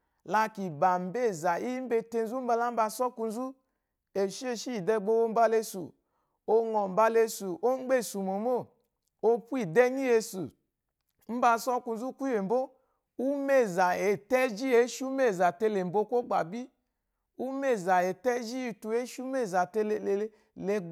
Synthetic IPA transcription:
la˧ki˨ba˨m̩˨be˦˨za˨i˦m̩˦be˧te˧n˦zu˦m̩˦ba˧la˦m̩˦ba˧sɔ˦ku˧n˦zu˦ | e˨ʃe˦˧ʃi˦˨dɛ˧ɡ͡bo˧wo˧˦m̩˦ba˧le˧sṵ˨ | o˧ŋɔ˨m̩˨ba˧le˧su˨ʔo˦ŋ͡m̩˦ɡ͡be˦˨su˨mo˨mo˦˨ | o˧pu˦i˦˨dɛ˦ɲi˦e˧su˨ | m̩˦ba˧sɔ˦ku˧n̩˦zu˦kʷe˨m̩˨bo˦ | u˦me˦˨za˨e˨tɛ˦d͡ʒi˦e˦ʃu˦me˦˨za˨te˧le˨m̩˨bo˧˦ko˦ɡ͡ba˨bi˦ | u˦me˦˨za˨e˨tɛ˦d͡ʒi˦i˧tu˧e˦ʃu˦me˦˨za˨te˧˦˧ | le˧

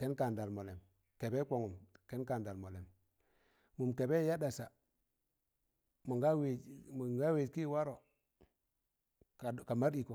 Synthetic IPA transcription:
ke˦nka˨nda˨lmo˨le˨m | ke˨be˦kʷo˨ŋu˨mke˦nka˨nda˨lmo˨le˨m | mu˨mke˨be˦ja˦da˨sa˨ | mu˨ŋɡa˦we˨m˨ŋɡa˦we˨tki˦wa˦ɾo˨ | a˨ka˨ma˦ɾi˨ko˨

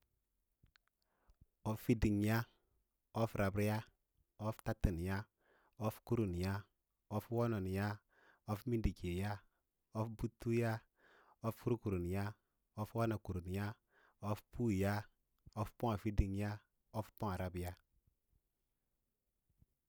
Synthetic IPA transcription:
ɔ˦fi˦di˨ŋ˨ja˦ | ɔ˦fɾa˨bɾja˦ | ɔ˦fta˦ti˨n˨ja˦ | o˦fku˦ɾu˨n˨ja˦ | ɔ˦fwo˦nɔ˨n˨ja˦ | ɔ˦fmi˦ndi˨ke˨ja˦ | ɔ˦fbu˦tːu˦ja˦ | o˦fku˦ɾu˦ku˨ɾu˨n˨ja˦ | ɔ˦fwa˦na˨ku˨ɾu˨n˨ja˦ | o˦fpu˦˨ja˦ | o˦fpɔ˦ŋa˨fi˦di˨ŋ˦ja˦ | ɔ˦fpɔ˦ŋa˨ɾa˨˦bja˦

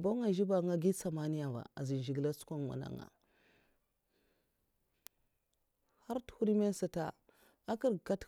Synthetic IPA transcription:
ba˦ŋa˨ʒi˦ba˨ŋa˦ɡi˦sa˨ma˦ni˦ja˨va̰˨a˨zi˨n˨ʒi˨ɡla˦t͡su̥˦kʷa˦ŋma̰˨na̰˦ŋa̰˨ | ha˦ɾthu˦ɾi˦me˦n˦sa˨ta̰˨ | a˦ki˦ɾka˦t

